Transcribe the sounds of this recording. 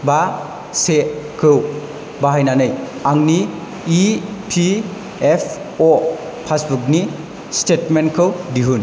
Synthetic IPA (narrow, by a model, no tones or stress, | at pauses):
ba | sekʰɯw | baɦajnanɯjaŋniː | pʰi | epʰ | o | pʰasbuk̚ni | stetmenkʰɯwdiɦun